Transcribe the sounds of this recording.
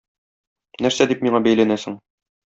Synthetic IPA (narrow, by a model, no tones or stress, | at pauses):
næɾsæd̪ipmiɴɑbæjlænæsɘ̆ŋ